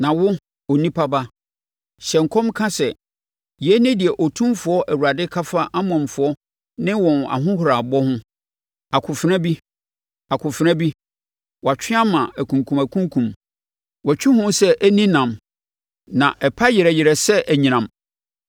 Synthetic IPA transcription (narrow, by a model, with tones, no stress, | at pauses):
nã˨wʊ˦ | ɔ˨nĩ˦pʰa˦ba˦ | ɕɛ̃˨ŋ̩˨kʰɔ̃˦mkʰã˦sɛ˨ | jɪ˨ɛ˦nɪ̃˦dɪ˨ɛ˨ʔɔ˨tʰũ˦mfʊ˨˦ɔ˦ʔæ˨wu˨ɾa˨dɪ˦kʰa˦fa˦ʔa˦mɔ̃˨mfʊ˨ɔ˦ | nɪ̃˦wɔ̃˨na̰˨ɦʊ̃˦hʊ˨ɾa˨bɔ˦hʊ̃˦ | a˨kʰʊ˨fɪ˨ɾnã˦bi˦ | a˨kʰʊ˨fɪ˦ɾã˦bi˦ | wɔ˨a˨t͡ɕᶣʰɪ̃˦a˦mã˨æ˨kʰũ˨ŋkʰũ˨mæ˨kʰũ˦ŋ˦kʰũ˨m | wɔ˨t͡ɕᶣɪ˦hʊ̃˦sɛ˦ʔæ˦nĩ˦nã˨m | nã˨ʔɛ˨pʰa˦jɪ˨ɾɛ˨jɪ˨ɾɛ˨sɛ˦ʔæ˨ɲĩ˨nã˨m